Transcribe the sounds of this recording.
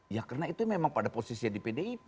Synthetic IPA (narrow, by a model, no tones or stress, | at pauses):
jakarnait̪umemaŋpadaposisiadipedei